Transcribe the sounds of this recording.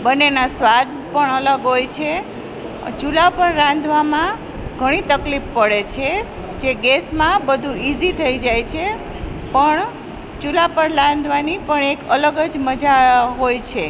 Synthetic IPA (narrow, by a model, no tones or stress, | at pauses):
bənːenasʋad̪̚pəɳələɡɦojt͡ʃʰe | t͡ʃulapəɳɾãnd̪ʱʋamã | ɡʱəɽ̃it̪əklifːəɽet͡ʃʰe | d͡ʒeɡesmãbəd̪ʱũizit̪ʰəid͡ʒajt͡ʃʰe | pəɳ | t͡ʃulapəɳlãnd̪ʱʋanipəɳekələɡəd͡ʒməd͡ʒaɦojt͡ʃʰe